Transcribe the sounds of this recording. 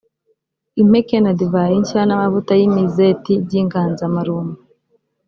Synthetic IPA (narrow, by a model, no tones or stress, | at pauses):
im̥ekenadivaiɲʃanamavutajimizetiɟiŋɡaːnzamaɾumu